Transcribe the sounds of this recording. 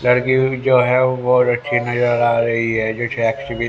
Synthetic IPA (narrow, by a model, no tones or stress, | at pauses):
lɐɾkid͡ʒoːɦɛʋoɾot͡ʃʰinɐzəɾaːɾɐɦiɦɛd͡ʒot͡ʃʰɛksiʋi